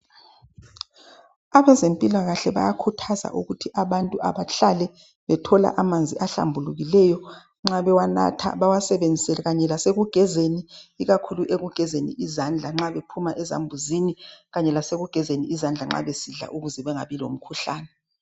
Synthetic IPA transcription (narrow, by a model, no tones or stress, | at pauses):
aβɛzempʼilaɣaɬɛβa̰jakʰutʰaza̰ʔuɣutʰiʔaβantʼuʔa̰βaɬalɛ | βɛtʰɔla̰ʔamand͡zʱiʔaɬa̰mbʱuluɣilɛjɔ | ŋ͡ǁaβɛwana̰tʰa̰βawasɛβend͡zʱisɛlɛɣaɲɛlaseɣuɡ̥ʱɛzeniːɣakʰuluʔeɣuɡ̥ʱɛzenḭʔizand͡ɮʱaŋ͡ǁaβepʰumaʔɛza̰mbʱuziniɣaɲɛlaseɣuɡ̥ʱɛzeniːzand͡ɮʱaŋ͡ǁa̰βesiɮa̰ʔuɣuzɛβɛŋaβilo̰m̩kʰuɬaːnɛ